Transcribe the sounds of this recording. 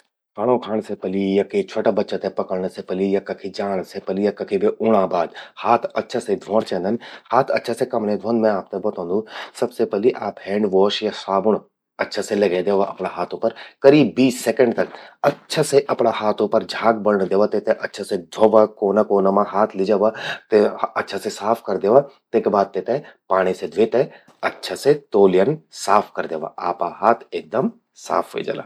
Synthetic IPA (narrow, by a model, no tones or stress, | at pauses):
paɽ̃õkʰaːɳ̃sepɐlijɐket͡ʃʰoʈabɐtːt͡ʃət̪ẽpɐkəɽnəsepɐlijakɐkʰid͡ʒaːɽ̃sepɐlijakɐkʰibʱiʔʊɽ̃ãːbaːd̪haːt̪ʰɐtːʃʰased̪ʱoːɽ̃t͡ʃɛ̃ːnd̪ɐnhaːt̪ʰɐ̰tːʃʰasekɐmnẽd̪ʱõːnd̪mẽaːp̚t̪ɐbɐt̪ʰõːnd̪ũsɐbsepɐliʔaːphẽːɳɖʋɔːʃjasaːbʊɳ̃ | ɐtːʃʰaselɐɡẽːd̪eːʋaʔɐpɳaɦaːt̪ʰõːpɐɾkɐɾiːbːiːsːekə̃ɳɖt̪ɐkɐtːʃʰaseʔɐpɽahaːt̪ʰõpɐɾd͡ʒʱaːɡ̚bɐɽnd̪eːʋat̪et̪ẽʔɐtːʃʰased̪ʱoʋakoːnakoːnamãɦaːt̪ʰlɪd͡ʒɐʋat̪eɐtːʃʰasesaːpʰkɐɾd̪eːʋat̪eːkbaːd̪̚t̪et̪ẽpaːɽ̃ised̪ʱʋeːt̪e | ɐtːʃʰaset̪oːljənsaːpʰkɐɾd̪eːʋa̰ʔa̰ːpaɦaːt̪ʰeːk̚d̪ɐm | sa̰ːpʰʋḛːd͡ʒɐ̰ːla̰ː